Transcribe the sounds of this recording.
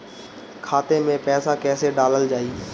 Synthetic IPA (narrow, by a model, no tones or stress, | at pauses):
kʰaːt̪emẽpɛːsãkɛːseɖaːləld͡ʒaːiː